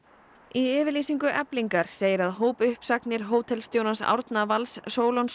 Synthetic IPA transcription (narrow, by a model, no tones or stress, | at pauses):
iɛːvɪɾliːsiŋkʏʔɛpliŋkaɾ̥seːjɪɾaðɦoːwpʏhpsaknɪɾ̥ɦoːwt̪ʰɛlst̪jownansa̰wɾt̪navalsːoːwlons